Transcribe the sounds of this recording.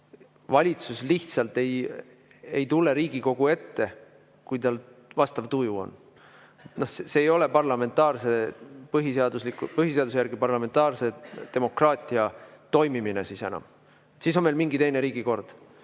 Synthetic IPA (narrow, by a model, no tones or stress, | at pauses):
vɑlʲit̪susliht̪sɑlt̪e̞j | e̞jt̪ulːe̞ɾiːɡ̥iko̞ɡ̥ue̞t̪ːe̞ | kujt̪ɑlvɑst̪ɑvt̪ujuo̞̰n | et̪no̞hseseːjo̞le̞pɑrlɑme̞nt̪ːˑɑːrse̞pɤɦiseɑd̪uslikːupɤɦiseɑd̪usejæɾɡ̥ipɑrlɑme̞nt̪ɑːrse̞t̪e̞mo̞krɑːt̪ʲˑiɑt̪o̞jmimine̞sise̞nɑ̰m | siːs̬o̞nme̞lmiŋɡit̪e̞jne̞ɾiːɡ̥iko̞rd̪̥